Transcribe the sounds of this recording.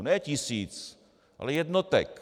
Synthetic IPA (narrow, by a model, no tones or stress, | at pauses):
nɛːcɪsiːt͡s | ʔa̰lɛjɛdnot̪ɛ̰k